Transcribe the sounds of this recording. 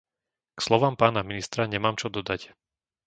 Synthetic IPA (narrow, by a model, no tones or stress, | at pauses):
kslɔʋaːmpaːnaminist̪ɾaɲɛmaːmt͡ʃɔd̪ɔd̪ac